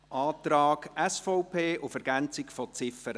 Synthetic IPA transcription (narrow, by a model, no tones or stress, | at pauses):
ʔɑːt̪ɾɑːɡɛsfɔʊpʰeːʔʊfɛɾɡ̥ænt͡sɪkfɔt͡sɪfəɾ